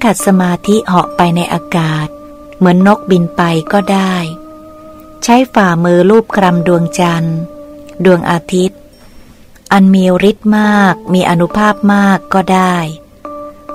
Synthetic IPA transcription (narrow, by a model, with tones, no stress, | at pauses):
kʰa˨˩t̪̚sa˧maː˧t̪ʰi˦˥hɔ˨˩ʔpa˧jna˧jʔa̰ː˧kaː˨˩t̪̚ | mɯ˩˦ənːo˦˥k̚bi˧npa˧jkɔː˥˩daː˥˩j | t͡ɕʰa˦˥jfaː˨˩mɯː˧luː˥˩p̚kʰɾa˧mdu˧əŋt͡ɕa˧n | du˧əŋʔaː˧t̪ʰi˦˥t̪̚ | ʔa˧nmiː˧wɾi˦˥t̪̚maː˥˩k̚miː˧ʔa˧nu˦˥pʰaː˥˩p̚maː˥˩kːɔː˥˩daː˥˩j